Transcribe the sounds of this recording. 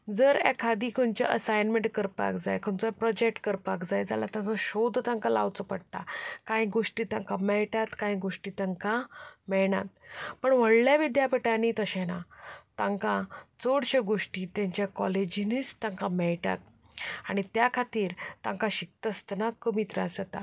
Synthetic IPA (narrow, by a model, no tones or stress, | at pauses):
d͡zəɾɛkʰːad̪iːkʰənt͡ɕa̰ʔəsajnmeɳʈkəɾpa̰kd͡za̰jkʰənt͡sɔpɾɔd͡ʑek̚ʈkəɾpakd͡zajd͡za̰lat̪ãt͡sɔɕod̪ʱt̪ãŋkala̰ʋt͡səpəɽʈ̪akaĩɡoʂʈiːt̪ãŋkamɛɭʈat̪kãĩɡoʂʈiːt̪aŋkamɛɭɳa̰t̪̚pəɳʋəɽljaʋid̪japəʈanit̪əɕɛ̃nat̪ãŋkãt͡soɽɕeɡoʂʈiːt̪jãɲt͡ɕjakɔled͡ʑinit͡st̪ãŋkamɛɭʈa̰t̪̚ | aɽ̃it̪jakʰat̪iːɾt̪ãŋkaɕik̚t̪əst̪ənakəmit̪ɾa̰d͡zat̪a̰